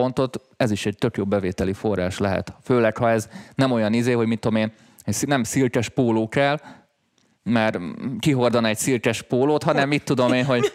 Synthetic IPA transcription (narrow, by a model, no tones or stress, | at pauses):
ont̪o̞t̪ | ɛziʃɛɟ̚t̪ø̞kjoːbbɛveːt̪ɛlifo̞rːa̰ːʃlɛɦɛ̰t̪føːlɛkhɒɛznɛmo̞jɒnizeːɦo̞ɟmit̪ːomeːn | ɛcsnɛmsilkɛʃpoːloːkɛl | mɛrkiɦo̞rd̪ɒnɛɟsilkɛʃpoːloːt̪hɒnɛmːit̪ːud̪omeːnɦo̞ɟ